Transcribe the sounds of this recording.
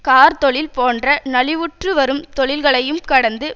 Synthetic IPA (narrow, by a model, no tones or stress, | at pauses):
kaːɾt̪ɔɭɪlpoːndrɐnɐɭɪʋʊʈrɯʋɐɾɯmt̪ɔɭɪlɣɐɭɐjɯmkɐɽɐnd̪ɯ